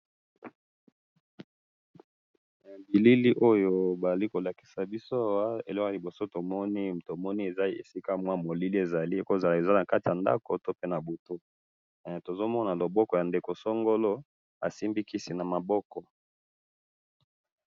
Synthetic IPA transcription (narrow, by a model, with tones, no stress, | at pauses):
a˨bi˨li˦li˦ʔo˦jo˦ba˨za˨i˦ko˨la˨ki̥˨sa˨bi˦so˦a˦˨wa˦ḛ˨lɔ˦ka˨li˨bo˨so˦to˨mɔ˦ni˦to˨mɔ˦ni˦e˨za˦i˦ḛ˨si˦ka˦mwa˦mo˨li˦li˦e˨za˨li˦e˨ko˦˨za˨la˨e˨za˦na˨ka˦ti˨ja˨nda̰˦ko˨to˦pe˦na˨bo˨to˦˨ | to˨zo˦mɔ˦na˨lo˨bɔ˦kɔ˨ja˨nde˨ko˨so˦ŋɡo˦lo˦ | a̰˨si˦mbi˦ki˦si˨na˨ma˨bɔ˦kɔ˨